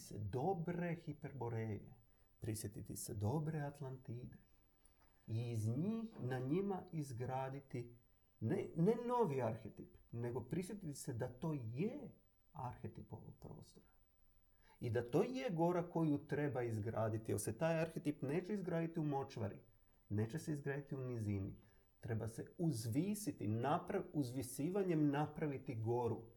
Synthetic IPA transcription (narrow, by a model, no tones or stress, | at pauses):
sḛd̪o̞bɾe̞xipe̞ɾbo̞ɾeːjḛ | pɾisje̞t̪it̪ised̪o̞bɾe̞at̪lˠant̪iːd̪e | iːzɲiːxnaɲimaizɡɾaːd̪it̪i | nene̞no̞ʋiaɾxet̪ipne̞ɡo̞pɾisje̞t̪it̪i̥sed̪at̪o̞ːje | aɾxet̪ipo̞̰ʋo̰ɡ̥̚pɾo̰ːst̪o̞ɾa | id̪at̪o̞ːje̞ɡo̞ɾako̞jut̪ɾe̞baizɡɾaːd̪it̪iḛset̪aːjaɾxet̪ipne̞ːt͡ʃe̞izɡɾaːd̪it̪iumo̞t͡ʃʋa̰ɾḭ | ne̞ːt͡ɕese̞izɡɾaːd̪it̪iunizini | t̪ɾe̞base̞uzʋiːsit̪inapɾauzʋisiːʋaɲe̞mnapɾaʋit̪iɡo̞ɾu